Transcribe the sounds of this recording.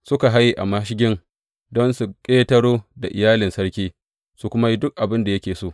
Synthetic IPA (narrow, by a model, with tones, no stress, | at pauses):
sʊ˦ka˨ɦa˦jːi˨ʔa˨mɐ˦ʃ̬ɪ˦ɡʲɪ˦ŋ | dɔ˦nsu˨kʲʼeː˦tɐ˦ɽoː˦da˨ʔɪ˨jaː˦lɪ˨nsɐ˦ɽkʲiː˦ | su˦kʷʊ˦ma˦ji˦dʊ˦k̚ʔa˨bɪ˦nda˨jɐ˦kʲeː˨soː˦˨